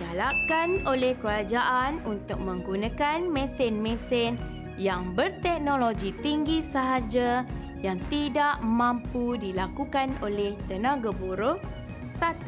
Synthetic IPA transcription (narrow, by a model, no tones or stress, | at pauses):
d͡ʒalakanolɛhkəɾad͡ʒaʔanunt̪ʊk̚mə̃ŋɡunãkanmɛ̃sɪnmɛ̃sɛn | jaŋbərt̪ɛk̚noloɡit̪iŋɡisəɦad͡ʒa | jaŋt̪idaʔmãmpudilakukanolɛht̪ənãɡabuɾʊh | sat̪u